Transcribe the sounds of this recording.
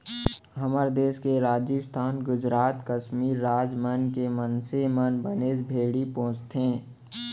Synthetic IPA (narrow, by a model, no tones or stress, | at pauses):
ɦəməɾd̪eːskeɾaːd͡ʒɪst̪ʰaːnɡʊd͡ʒɾaːt̪kəʃmiːɾːaːd͡ʒmənkemənsemənbəneːd͡ʒbʱeːɽipõːt͡ʃt̪ẽː